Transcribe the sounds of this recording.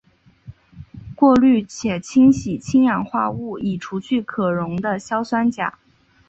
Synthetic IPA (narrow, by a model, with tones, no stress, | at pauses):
kwɔ˥˧ly˥˩t͡ɕʰjɛ˨˩t͡ɕʰi˥ŋɕi˨˩t͡ɕʰi˥ŋjɑ˨˩ŋxwa˥˧u˥˩i˨˩ʈ͡ʂʰu˧˥ɕʰy˥˩kʰɤ˨˩ɻʊ˧˥ŋd̪ə˧ɕjɑ˥ʊswa˥nt͡ɕja̰˨˩˦